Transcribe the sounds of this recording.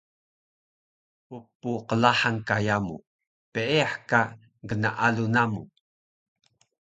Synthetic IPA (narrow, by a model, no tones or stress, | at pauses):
pupːuqəlaħaŋkajamu | pəʔeaħka | ɡənaʔalunamu